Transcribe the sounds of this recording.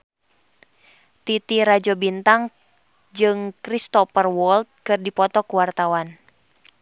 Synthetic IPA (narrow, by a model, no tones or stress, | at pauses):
t̪it̪iɾad͡ʒɔbint̪aŋ | d͡ʒɨŋkɾist̪ɔpərwɔlt̪̚kɨrdipɔt̪ɔkuwart̪awan